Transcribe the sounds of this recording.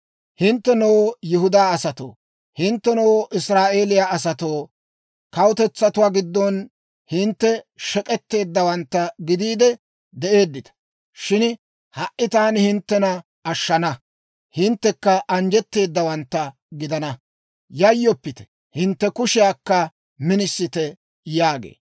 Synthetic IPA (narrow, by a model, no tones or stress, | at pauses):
hɪnt̪ːɛnoːjʊɦʊd̪aːɐsɐt̪o̰ː | hɪnt̪ːɛnoːʔɪsɾaːʔe̞ːlɪjaɐsɐt̪o̞ː | kɐwʊt̪ɛt͡sːɐt̪ʊwaːɡɪd̪ːɔn | hɪnt̪ːɛʃɛkʼɛt̪ːe̞ːd̪ːɐwɐnt̪ːɐɡɪd̪iːd̪ɛ | d̪ɛʔe̞ːd̪ːɪt̪ɐ̥ | ʃɪn | hɐʔːɪt̪aːnhɪnt̪ːɛnɐ | ɐʃːɐnɐ | hɪnt̪ːɛkːɐʔɐnd͡ʒɛt̪ːe̞ːd̪ːɐwɐnt̪ːɐ | ɡɪd̪ɐnɐ | jɐjːɔpːɪt̪ɛ̥ | hɪnt̪ːɛkʊʃɪjaːkːɐ | mɪnɪsːɪt̪ɛ | jaːɡḛː